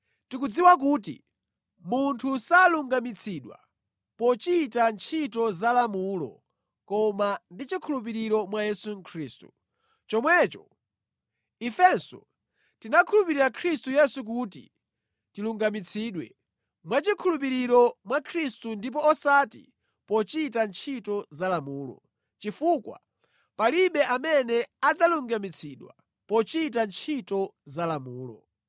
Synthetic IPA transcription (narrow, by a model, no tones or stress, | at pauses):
tik̬ud͡ziwak̬uːt̬ḭ | muntʰusaluŋɡamit͡sʰiɗwa̰ | pɔt͡ʃiːtant͡ʃʰitɔzalamuːlɔ̰ | kɔmandit͡ʃikʰulup̬iɾiɾɔmwajɛsuŋkʰɾiːstu̥̰ | t͡ʃɔmwɛt͡ʃɔ | ifɛnsɔ̰ | tinakʰulupiɾiɾakʰɾistujɛsuk̬uːtḭ | tiluŋɡamit͡sʰiɗwɛ̰ | mwat͡ʃikʰulup̬iɾiɾɔmwakʰɾistundip̬ɔːsatḭ | pɔt͡ʃitant͡ʃʰitɔzalamuːlɔ̰ | t͡ʃifukwa̰ | paliɓɛʔamɛnɛad͡zaluŋɡamit͡sʰiɗwa̰ | pɔt͡ʃitant͡ʃʰitɔzalamuːlɔ̰